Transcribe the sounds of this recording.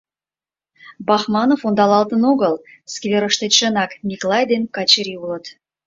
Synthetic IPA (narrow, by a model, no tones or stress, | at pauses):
bɑxmɑnofond̪ɑlɑlt̪ənoɣəl | skvʲeɾə̆ʃt̪eʃə̆nɑkmʲiklˠɑjd̪enkɑt͡ɕəɾʲiulə̆t̪